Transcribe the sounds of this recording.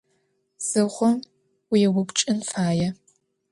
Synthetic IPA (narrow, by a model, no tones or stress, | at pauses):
z̥ɨχʷɔm | wijɛwʊpʷt͡ʃʼɪnfaːjɛ